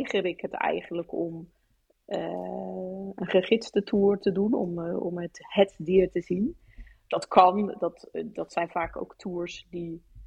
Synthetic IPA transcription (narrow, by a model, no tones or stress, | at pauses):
χəɾɪkɦətɛ̰jχənləkɔm | ənχəχɪtstətʰuːrtədunɔ̰mɔ̰məthɛtdiːɹtəzin | d̥ɑtkʰɑndɑtdɑtsɛjnvaːko̰wktʰuːɹsdi